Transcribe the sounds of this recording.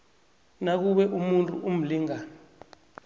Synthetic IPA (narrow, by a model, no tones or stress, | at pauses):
nak̬uɓɛʔumuntʼṵʔum̩liːŋa